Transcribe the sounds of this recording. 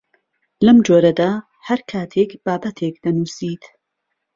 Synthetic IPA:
lɐmd͡ʒoːɾɐd̪aː | hɐɾkʰaːt̪ʰekb̥aːbɐt̪ʰekd̪̥ɐnuːsiːt̪

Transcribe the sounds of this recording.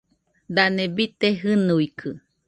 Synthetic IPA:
d̪anebit̪eɦɨnuikʰɨ

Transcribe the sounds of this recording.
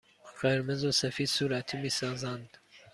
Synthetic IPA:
ɢeɾmezosæfiːd̪suːɾæt̪ʰiːmiːsɑːzænd̪̥

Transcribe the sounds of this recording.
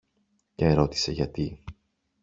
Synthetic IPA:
ceeɾo̞t̪i̥se̞ʝɐt̪i

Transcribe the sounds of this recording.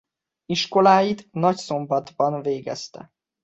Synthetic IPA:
iʃko̞laːjit̪nɒcso̞mbɒd̪bɒnveːɡɛ̰st̪ɛ̰

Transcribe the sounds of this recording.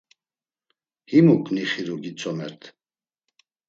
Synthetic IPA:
himukʰʼniχiɾuɡit͡sʰɔmɛɾt̪ʰ

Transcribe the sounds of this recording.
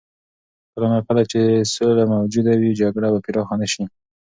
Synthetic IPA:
kəlamakalat͡ʃesolamawd͡ʒud̪awid͡ʒaɡɽabapiɾɑxɑnaʃi

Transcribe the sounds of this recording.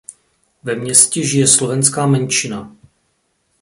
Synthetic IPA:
vɛmɲɛscɛʒɪjɛslovɛnskaːmɛnt͡ʃɪna

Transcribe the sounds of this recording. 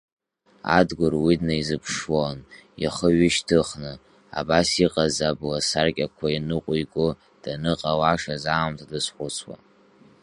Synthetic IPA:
a̰dɡʷʊrwidnaizɨpʰʂwonjaχəɥɪʃtʰɨχnɨ | a̰basiqʼazablasarkʲʼakʷʰainɨqʷʼʊjkʷʼʊ | d̥anɨqʼawaʂazaːmtʰadɨsħʷʊt͡sʰwa̰

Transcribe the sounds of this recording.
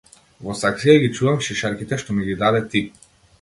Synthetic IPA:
vɔsaksijaɡʲit͡ʃuvamʃiʃaɾkʲit̪ɛʃt̪ɔmiɡid̪ad̪ɛt̪ip

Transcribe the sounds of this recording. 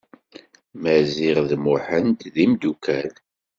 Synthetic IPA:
mæziʁðmʊħənt̪ðimd̪ukʰæð

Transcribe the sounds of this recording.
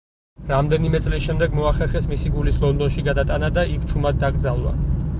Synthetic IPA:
ɾamd̪ɛnimɛt̪sʼlisʃɛmd̪ɛɡmɔaχɛɾχɛsmisiɡulislˠɔnd̪ɔnʃiɡad̪at̪ʼanad̪aikʰt͡ʃʰumad̪̚ːaɡɾd̪zalˠwa̰

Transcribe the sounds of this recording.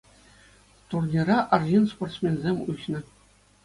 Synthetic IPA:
t̪urnʲirɑʔɑrʑinsport̪smʲenʲzʲemʲuɕnɤ̆

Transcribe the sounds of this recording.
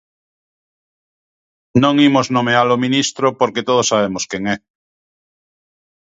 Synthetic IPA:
nõŋimoznõmealomĩnist̪ɾopoɾket̪oðosaβemoskjeŋɛ

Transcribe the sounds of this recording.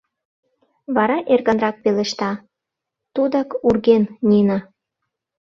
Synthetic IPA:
βɑɾɑʔerɣɑnrɑk̚peleʃt̪ɑ | t̪ud̪ɑkurɣennʲinɑ

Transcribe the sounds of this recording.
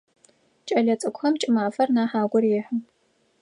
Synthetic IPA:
t͡ʃʼɐɮɐt͡sʼɨkʷʼxɐmt͡ʃʼɪmaːfɐrnaːħaːɡʷʊrjɪħə

